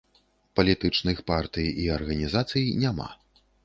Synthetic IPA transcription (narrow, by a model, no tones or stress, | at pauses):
pɐlʲit̪ɨt͡ʂnɨxpart̪ɨjiɐrɣɐnʲizat̪sɨjnʲama̰